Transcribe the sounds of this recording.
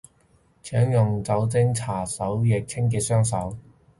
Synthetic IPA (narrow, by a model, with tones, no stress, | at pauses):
t͡sʰœː˨˥ŋjʊ˨ŋt͡sɐ˨˥wt͡sɪ˥ŋt͡sʰaː˨˩sɐ˨˥wjɛ˨k̚t͡sʰɪ˥ŋk̬iː˧sœː˥ŋsɐ˨˥w